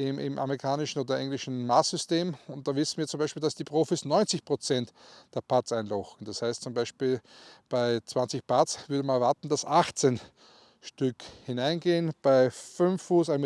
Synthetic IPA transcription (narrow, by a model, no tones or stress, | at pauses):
ɪmʔɪ̰mʔa̰meʁɪkʰaːnɪʃn̩oːdɐɛŋlɪʃn̩maːsz̥ʏsteːmʊnt̚d̥aːvɪsn̩viːɐt͡sʊmbæɪʃpiːld̥asd̥iːpʁoːfisnɔʏnt͡sɪçpʁ̥ot͡sɛntd̥eːɐpʰat͡sæɪnlɔxŋ̩d̥ashaɪstt͡sʊmbaɪʃpiːlb̥aɪt͡sv̥ant͡sɪçpat͡sv̥ʏɐdəmanɐvaɐtn̩d̥asʔaxt͡sen | ʃtʏkhɪnaɪnɡeːənb̥aɪfʏnfːuːsaɪ